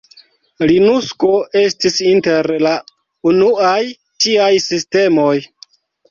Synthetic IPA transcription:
linusko̞e̞stisinte̞ɾla | unuaj | t͡ʃiajsiste̞mo̞j

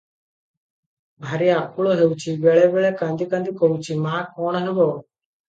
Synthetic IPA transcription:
bʱaɾiːakuɭoːɦeuwt͡ʃʰiːbeːɭebeɭeːkə̃nd̪ʱikə̃nd̪ikowt͡ʃʰiːmaːkɔːɳɦeboː

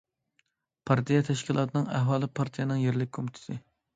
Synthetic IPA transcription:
pʰɑɾt̪ʰijɛt̪ʰɛʃkʲilˠɑ̰ːt̪ʰɨnɨŋæhwɑːlˠɨpʰɑɾt̪ʰijɛnɨŋjeɾlɪkʲkʰomt̪ʰɪ̥sɨ

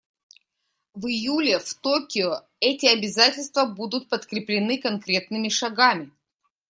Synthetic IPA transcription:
vɨjulʲɪft̪okʲɪʊ | ɛtʲɪɐbʲɪzatʲɪlʲst̪vəbud̪ʊt̪̚pət̪kɾʲɪplʲɪnɨkɐnkɾʲe̞t̪nɨmʲɪʂɐɡamʲɪ

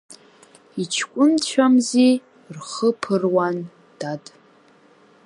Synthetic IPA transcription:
it͡ʃʰkʷʼʊnt͡ɕʷʰamzi | rχəpʰɨrwan | d̥atʼ

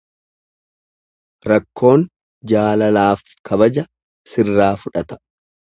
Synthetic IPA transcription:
ɾɐkːo̞ːn | d͡ʒaːlɐlaːf | kʰɐbɐd͡ʒɐ | sɪrːaːfʊᶑɐt̪ɐ̥

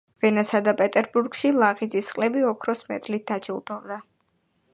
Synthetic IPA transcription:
vɛnasad̪apʼɛt̪ʼɛɾbuɾɡʃilˠaʁid̪zisqʼlɛbiɔkʰɾɔsmɛ̰t̪ʼlit̪̚d̪ad͡ʒilˠd̪ɔvd̪a

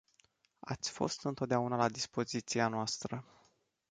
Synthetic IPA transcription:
a̰t̪sʲfo̞̰st̪ɨnt̪o̞t̪̚d̪eaunalad̪ispo̞zit̪sianoast̪ɾə

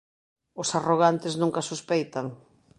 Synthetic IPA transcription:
ʊsaroɣant̪ɪznũŋkasuspejt̪aŋ

